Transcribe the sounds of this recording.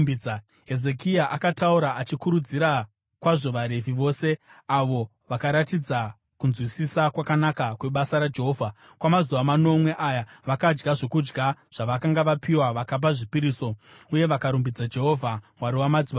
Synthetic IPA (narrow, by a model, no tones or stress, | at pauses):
bid͡za | ɦe̞ze̞kiaʔakatauɾaʔat͡ʃikuɾud͡ziɾa | kwaʐo̞ʋaɾe̞viʋo̞ːse̞aʋo̞ | ʋakaɾatid͡za | kunzwisisakwakanakakwe̞ɓasaɾad͡ʒe̞ɦoːvʱa | kwamazuʋamano̞mwe̞ʔajaʋakad͡ʒɡaʐo̞kud͡ʒɡaʐ̥aʋakaŋɡaʋapiwaʋakap̬aʐipiɾiːso̞uje̞ʋakaɾumbid͡zad͡ʒe̞ɦo̞vʱa | waɾiwamad͡ziʋa